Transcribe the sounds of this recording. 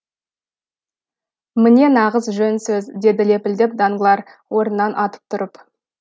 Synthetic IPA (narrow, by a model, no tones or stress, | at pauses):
mɪne̞nɑʁəzʒɵnsɵzd̪e̞d̪ɪle̞pɪld̪ep̚d̪ɑŋɡəlˠɑɾ | wʔo̞ɾənːɑnʔɑt̪ə̥p̚t̪ʰʊɾəp